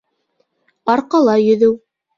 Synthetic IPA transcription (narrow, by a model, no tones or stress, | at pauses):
ɑɾqɑlˠɑjɵ̆ðɘw